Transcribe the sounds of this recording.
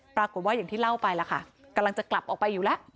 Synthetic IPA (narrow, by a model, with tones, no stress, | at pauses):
pɾaː˧ko˨˩t̪̚waː˥˩ja˨˩ŋt̪iː˥˩la˥˩wpa˧jla˨˦˩kʰa˥˩ | ka˧mla˧ŋt͡ɕa˨˩kla˨˩p̚ʔɔː˨˩k̚pa˧juː˨˩lɛ˦˥ʔ